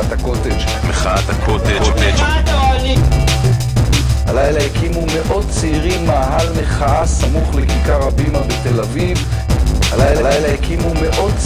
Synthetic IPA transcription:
t̪akot̪eʃ | meχaat̪akʰot̪et̪e | halajlajakimume̞ʔo̞d̚t͡seiʁimaːɦalmeχaasamuχlekikaʁabimabet̪elaviv | halajlalajlajakimumeʔo̞d̚t͡s

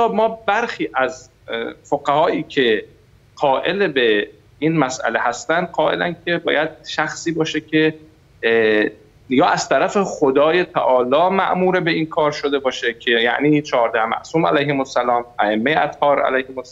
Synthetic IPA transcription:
ɑːmɒːbæɾxiːʔæz | foɡæhɒːiːcʰe̞ | ɢɒːʔe̞lebe | inmæsʔæ̰leɦæst̪ænd̪̚ɢɒːʔe̞̰læ̰ncʰe̞bɒːjæd̪̥̚ʃæxsiːbɒːʃecʰe̞ | jɒːʔæz̥t̪ʰæɾæfe̞xod̪ɒːje̞t̪ʰæʔɒːlɒːmæʔmuːɾebe̞inkʰɒːɾʃo̞d̪e̞bɒːʃecʰejæ̰ʔniːt͡ʃʰɒːɾd̪æhmæ̰ʔsuːmæ̰læjhemosːælɒːmæemːejeʔæt̪hɒːɾæ̰læjhemos

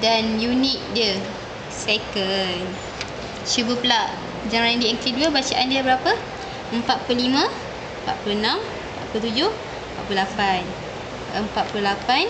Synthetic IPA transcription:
danjunit̪̚də | sekən | ʃubəpəlaʔ | d͡ʒanɾandiɛŋkiduəbat͡ʃaʔandiabəɾapə | əmpat̪̚pulimə̃ | əmpa̰t̪̚pluənãm | əmpa̰t̪̚plut̪ud͡ʒʊh | əmpat̪̚plulapan | əmpat̪̚plulapan

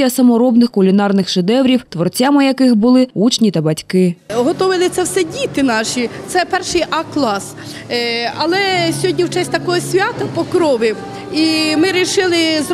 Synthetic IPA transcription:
ɐsɐmɔɾɔbnɪxkʊlʲinɑrnɪxʃɪd̪ɛʋɾʲiwt̪ʋɔrt͡sʲamɪjɐkɪxbʊlˠɪut͡ʃnʲit̪ɐbɐtʲkɪɦɔt̪ɔʋɪlˠɪt̪sɛwsɛdʲit̪ɪnɑʃit̪sɛpɛrʃɪjʔɐklˠɑs | ɐlˠɛsʲɦɔdʲnʲiwt͡ʃɛsʲt̪ɐkɔɦɔsʲʋʲat̪ɐpɔkɾɔʋɪ | imɪɾʲiʃɪlˠɪz

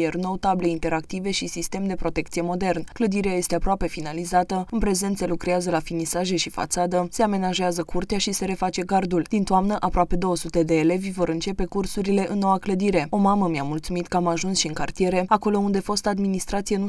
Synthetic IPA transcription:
erno̞t̪able̞int̪e̞ɾak̚t̪ive̞ʃisist̪e̞md̪e̞pɾo̞t̪e̞k̚t̪sijemo̞d̪e̞rnkləd̪iɾeaje̞st̪e̞apɾoape̞finalizat̪əɨnpɾe̞ze̞nt̪se̞lukɾeazəlafinisaʒe̞ʃifa̰t̪sad̪əse̞ame̞naʒeazəkurt̪eaʃise̞ɾe̞fat͡ʃe̞ɡard̪uld̪̥int̪oamnəʔapɾoape̞d̪o̞wəsut̪e̞d̪e̞ːle̞vʲvo̞ɾɨnt͡ʃe̞pe̞kursuɾile̞ʔɨnːo̞wakləd̪iɾe̞o̞maməmiamult̪sumit̪kəamaʒunsʃiɨŋkart̪ije̞ɾe̞ako̞lo̞und̪e̞fo̞st̪ad̪minist̪ɾat̪sije̞nu

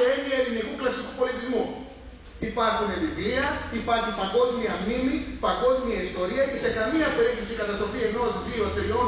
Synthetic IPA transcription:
eniɐelinikuklɐsikupo̞lit̪izmu | ipɐɾxunevivliɐipɐɾçipɐŋɡo̞zmiɐmnimipɐŋɡo̞zmiɐist̪o̞ɾiɐce̞se̞kɐmiɐːpe̞ɾiθepsikɐt̪ɐst̪ɾofie̞no̞zðio̞t̪ɾio̞n

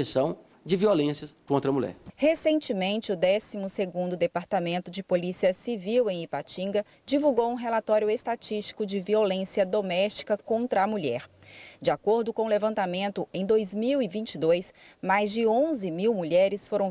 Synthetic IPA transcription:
esɐ̃w̃ | d͡ʒɪviolẽsɐkõnt̪ɾɐmuʎɛ̰ɾhesẽt͡ʃɪmẽnt͡ʃɪʊd̪ɛsimʊseɡũnd̪ʊd̪epaɾt̪amẽnt̪ʊd͡ʒɪpolisiɐsiviwẽj̃ipat͡ʃĩɡɐ | d͡ʒivuwɡowũɦelat̪ɔɾjʊest̪at͡ʃist͡ʃi̥kʊd͡ʒɪviolẽsiɐd̪omɛst͡ʃi̥kɐkõnt̪ɾɐːmuʎɛɾd͡ʒɪakoɾd̪ʊkõʊlevɐ̃nt̪amẽnt̪ʊẽj̃d̪ojzmiwivĩt͡ʃid̪ojsmajzd͡ʒɪõzɪmiwmuʎɛɾɪsfoɾɐ̃w̃

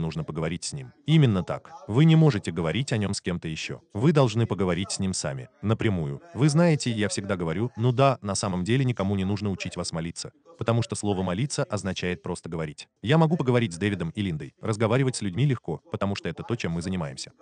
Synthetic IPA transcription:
nuʐnəpəɡəvɐɾʲitʲsʲnʲimimʲɪnːət̪a̰kvɨnʲɪmo̞ʐɨtʲɪɡəvɐɾʲitʲɐnʲo̞mskʲe̞mt̪əjɪɕːo̞̰vɨd̪ɐlˠʐnɨpəɡəvɐɾʲitʲsʲnʲimsa̰mʲɪ̰nəpɾʲɪmujʊ̰vɨznajɪtʲɪjafsʲɪɡd̪aɡəvɐɾʲunud̪anɐsaməmdʲelʲɪnʲɪkɐmunʲɪnuʐnəʊt͡ɕitʲvasmɐlʲit̪sə | pət̪ɐmuʂt̪o̞slˠovəmɐlʲit̪səʔɐznɐt͡ɕæjɪt̪̚pɾo̞st̪əɡəvɐɾʲitʲ | jamɐɡupəɡəvɐɾʲit̚ʲzʲd̪evʲɪd̪əmɪlʲind̪ə̰jrəzɡɐvaɾʲɪvətʲsʲlʲʉdʲmʲilʲɪxko̞pət̪ɐmuʂt̪oɛt̪ət̪o̞t͡ɕemːɨzənʲɪmajɪmsʲə̥

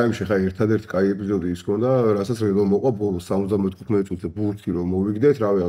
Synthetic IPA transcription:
aimʃiɛχaɛɾt̪ʰad̪ɛɾt̪ʰi̥kʼaiɛpʼizɔd̪iːskʰɔnd̪aɾasat̪sʰɾɛlɔmɔqʼwabɔlˠɔsamɔt̪d̪amɛt̪ʰχu̥t̪ʰmɛt̪ʼsʼut̪ʰd̪abuɾt̪ʰiɾɔmɔviɡd̪ɛt̪ʰɾavia

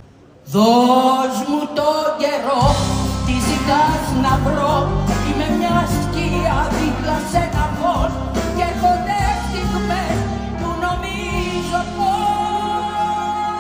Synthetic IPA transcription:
ðozmut̪oɟeɾot̪izit̪ɐznɐvɾoimemɲɐsciɐðilɐsenɐvos | cepod̪eft̪ikmes | punomi | zopo

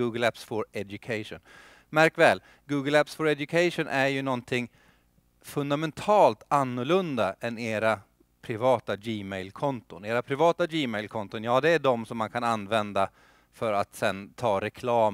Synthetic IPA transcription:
uːɡəlæpsfɔɾɛd̪jɵkʰaɪʂʊ̰n | mæɾkvɛːl | ɡuːɡəlæpsfɔɾɛd̪jɵkʰaɪʂʊnʔæɾjɵnɔnt̪ʰɪŋː | fɵnd̪amɛnt̪ʰɑːlt̪anːʊɭɵnd̪aʔɛneːɾa | pʰɾɪvɑːt̪ad͡ʒiːmɛɪlkʰɔnt̪ʊneːɾapʰɾɪvɑːt̪ad͡ʒiːmɛɪlkʰɔnt̪ʊnjɑːd̪ɛæɖɔmsɔmːankʰananːvɛnd̪a | fœɾat̪sɛnt̪ʰɑːɾɛkʰlɑːm

